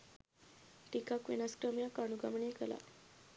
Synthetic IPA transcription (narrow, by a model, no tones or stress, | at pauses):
ʈikakʋḛnaskɾəmjakaɳ̃uɡaməɳekəla̰